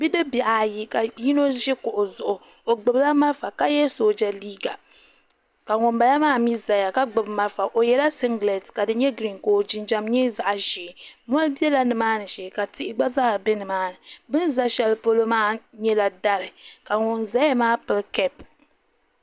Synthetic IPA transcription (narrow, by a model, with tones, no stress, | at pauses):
bi˦dɨ˦bi˨ʔa˨ji˦ka˨ji˦no˦ʒɛ˦kʊ˨ʔʊ˨zʊ˨ʔʊ˨ | o˨ɡ͡bɨ˨bla˦ma˦lfa˨ka˦jɛ˦so˦d͡ʒa˨liː˦ɡa˨ | ka˨ŋʊ˨nba˨la˦maː˦mi˦za˨ja˨ka˦ɡ͡bɨ˨bma˦lfa˨ʔo˨jɛ˨˦la˦sɪ˦ŋɡlɛ˨tka˨dɨ˦ɲɛ˦ɡɾi˨nko˨d͡ʒɪ˨nd͡ʒa˨mɲi˦za˨ʔʒi˨mu˦a˦lbi˦ɛ˦la˦nɨ˨maː˦nɨ˨ʃɛ˨ka˨tɪ˦ʔɪ˦ɡ͡ba˦zaː˦˨bɛ˦nɨ˨maː˦nɨ˨bɨ˦nza˦ʃɛ˨lɨ˦po˦lo˦maː˦ɲɛ˦la˨da˦ɾɨ˨ka˨ŋʊ˨nza˦ja˦maː˦pɨ˨lkɛ˦p